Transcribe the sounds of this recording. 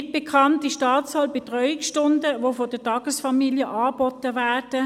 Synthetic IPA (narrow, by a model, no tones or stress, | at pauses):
t̚b̥ekʰɑntiʃtɑːt͡shɑːlb̥etʁœʏɪksʃtʊndəʋofɔdətɑɡ̥əsfɑmiːljəʔɑːb̥ɔtəʋæːrd̥ə